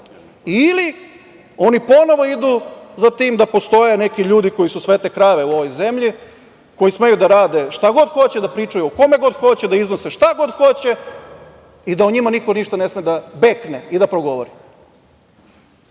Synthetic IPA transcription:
ili | o̞nipo̞no̞ʋo̞id̪uzat̪iːmd̪apo̞st̪o̞jene̞kiʎuːd̪iko̞jisusʋet̪ekɾaʋeuo̞ʋojze̞mʎi | ko̞jisme̞jud̪aɾaːd̪e̞ʃt̪aɡo̞d̪xo̞t͡ɕed̪apɾiːt͡ʂajuoko̞me̞ɡo̞d̪xo̞t͡ɕed̪aiznoseʃt̪aɡo̞d̪xo̞t͡ɕe | id̪aoɲimaniko̞niʃt̪anesmed̪abe̞kneid̪apɾo̞ɡo̞ʋoɾi

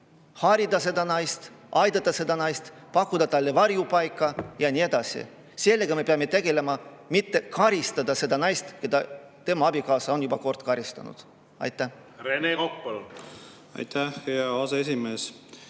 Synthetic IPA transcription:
hɑɾid̪ɑs̬e̞d̪ɑnɑjst̪ | ʔɑjd̪̥ɑt̪ːˑɑse̞d̪ɑnɑjst̪ | pɑkːud̪ɑt̪ɑlːe̞vɑɾjupɑjkːˑɑjɑnʲie̞d̪̥ɑsḭ | selːeɡ̥ɑme̞peɑme̞t̪e̞ɡ̥e̞le̞mɑ | mit̪ːe̞kɑɾist̪ɑd̪ɑse̞d̪ɑnɑjst̪ke̞d̪̥ɑ | t̪e̞mɑɑbikɑːsɑo̞njubɑko̞rt̪kɑɾist̪ɑ̰nṵd̪̥ | ɑ̰jt̪ːˑæh | renekokpol | ɑ̰jt̪æheɑɑseesimeːs

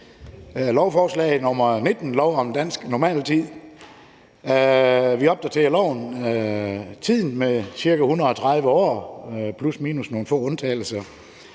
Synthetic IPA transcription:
lɒʊfɒːslɛ̰ɪð̩ˠnɔmɐne̝d̥n̩lɒʊɒ̽mnd̥æn̰sɡ̥nɒmɛ̰ːlt͡sʰið̰ˠ | ʋiɒ̽b̥̚d̥æɐt͡sʰe̝ɐlɒʊn | t͡sʰið̰ˠn̩mesiɐɡ̥æhunɐɒ̽t͡sʰʁɑ̈ð̞ˠʋəɒ̰ːpʰlusmiːnusno̝ːn̩fɔ̰ːɔ̽nt͡sʰɛ̰ːl̩sɐ

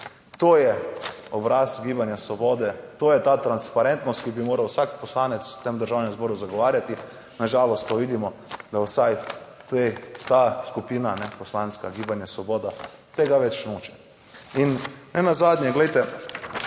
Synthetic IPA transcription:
t̪oːjɛɔbɾasɡiːbanjasʋoboːd̪ɛt̪oːjɛt̪aːt̪ɾanspaɾɛnt̪nɔst̪kibimoːɾawsakpɔslaːnɛt̪st̪emd̪əɾʒaːwnɛmzbɔːɾuzaɡɔʋaːɾjat̪i | naʒaːlɔst̪̚paʋiːd̪imɔd̪awsaj | t̪et̪aːskupiːnanɛposlaːnskaɡiːbanjasʋoboːd̪a | t̪eːɡaʋɛt͡ʃnoːt͡ʃɛ̥ | innɛnazaːd̪nʲjɛɡlejt̪ɛ

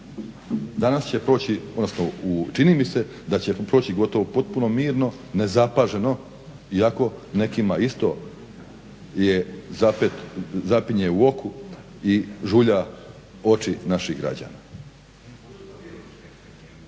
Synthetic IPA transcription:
d̪anast͡ɕe̞pɾo̞ːt͡ɕiod̪nosnout͡ʃinimise̞ | d̪at͡ɕe̞pɾo̞ːt͡ɕiɡo̞t̪o̞ʋopo̞t̪̚puno̞miːɾno̞ | ne̞zapaʒe̞no̞ | iako̞ne̞kimaist̪o̞ | jezapet̪zapiɲeuo̞ku | iʒuʎa | o̞t͡ʃinaʃiɣɡɾa̰d͡ʑa̰ːnaː

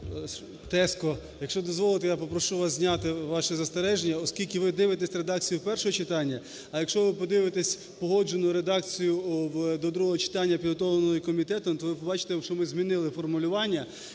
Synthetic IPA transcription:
t̪ɛskɔ | jɐkʃt͡ʃɔd̪ɔzʋɔlˠɪt̪ɛjapɔpɾɔʃuʋɑs̬ʲzʲnʲat̪ɪʋɑʃɛzɐst̪eɾɛʒenʲːɐɔskʲilʲkʲɪʋɪd̪ɪʋɪt̪esʲɾe̞d̪ɑk̚t͡sʲijʊpɛrʃɔɦɔt͡ʃɪt̪ɑnʲːɐ | ɐjɐkʃt͡ʃɔʋɪpɔd̪ɪʋɪt̪esʲ | pɔɦɔd͡ʒenʊɾe̞d̪ɑk̚t͡sʲijʊwd̪ɔd̪ɾuɦɔɦɔt͡ʃɪ̥t̪ɑnʲːɐpʲid̪ɦɔt̪ɔʋlɐnɔɦɔjikɔmʲit̪ɛt̪ɔmt̪ɔʋɪpɔbɑt͡ʃɪ̥t̪eʃt͡ʃɔmɪzmʲinɪlˠɪfɔrmʊlʲʊʋɑnʲːɐ

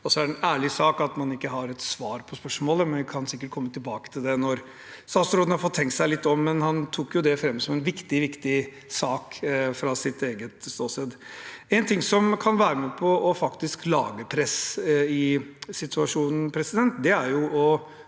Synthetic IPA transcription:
ɔlsɔæɾɛnæːɭɪsɑːkɑt̪mɑnɪkːəɦɑɾɛt̪sʋɑːɾpʰɔspœʂmoːləmɛnkʰɑnsɪkːəʈ̚kʰɔmːət̪ʰɪlbɑːkə̥t̪ʰɪld̪ɛnɔɾ | sɑːsɾoːd̪n̩hɑɾfɔt̪ʰːɛŋkt̪sæɪlɪt̪ːɔmːɛnhɑnt̪ʰuːkjʊd̪ɛfɾɛmːəsɔmɛnʋɪkt̪ɪʋɪkt̪ɪ | sɑːkfɾɑsɪt̪eːɡət̪st̪oːsɛd̪ɛnt̪ʰɪŋsɔmkʰɑnʋæːɾəmɛːpʰɔʔːfɑkt̪ɪsklɑ̰ːɡəpʰɾɛsɪsɪt̪ʰʉɑʂuːnn̩pʰɾɛsɪd̪ɛnt̪d̪ɛæɾjʊɔ

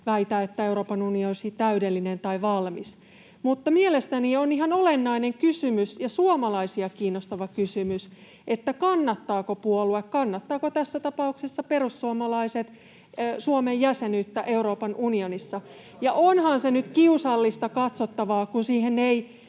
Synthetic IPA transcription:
ʋæit̪æːet̪ːæeuɾo̞ːpɑnunionsit̪æydelːinent̪ɑiʋɑlmis | mut̪ːɑmielest̪ænioniɦɑnolenːɑineŋkysymysjɑsuomɑlɑisiɑkiːnːost̪ɑʋɑkysymys | et̪ːækɑnːɑt̪ːɑːkopuoluekkɑnːɑt̪ːɑːkot̪æsːæt̪ɑpɑuksesːɑperusːuomɑlɑiset̪ː | suomejjæsenyt̪ːæʔeuɾo̞ːpɑnʔunionisːɑ | jɑʔonhɑnsenyt̪kiusɑlːist̪ɑkɑt̪sot̪ːɑʋɑːkunsiːhenːei

